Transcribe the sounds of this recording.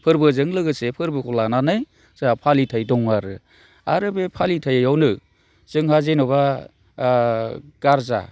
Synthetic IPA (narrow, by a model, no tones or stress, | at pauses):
pʰɯɾbɯzɯŋlɯɡɯsepʰɯɾbɯkʰɔlananɯj | zaapʰalitʰajdɔŋaɾɯ | aɾɯbepʰalitʰajjawnɯ | z̥ɯŋhazenɔba | ɡ̥aɾza̰